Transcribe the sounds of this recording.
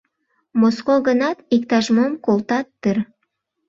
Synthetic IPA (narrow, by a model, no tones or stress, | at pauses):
moskoɡənɑt̪ikt̪aʒmomkolˠt̪ɑt̪ːɨɾ